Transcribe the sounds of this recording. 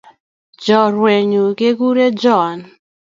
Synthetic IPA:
d͡ʒɔ˨ɾwe˨ɲu˨ke˦ɡu˦ɾe˦d͡ʒɔ˦˨n

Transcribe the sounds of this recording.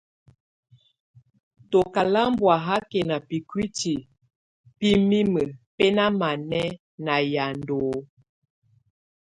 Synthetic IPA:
to˨ka˨la˦mbwa˨ɦa˦ke˨na˨pi˨kwi˦ti˨ | pi˦mi˦mə˨pɛ˦na˦ma˨nɛ˦ | na˨ja˨ndo˨˦

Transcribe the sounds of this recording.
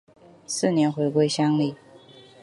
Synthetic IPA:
sɹ̩˥˩˨njɛ˧˥nxwe˧˥ɪkwe˥˧ɪɕjɑ˥ŋli˥˩

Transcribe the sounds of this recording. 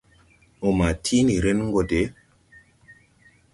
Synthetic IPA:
o˨ma˨tʰi˦ni˨ɾe˦nŋ˦ɡo˨de˨˦

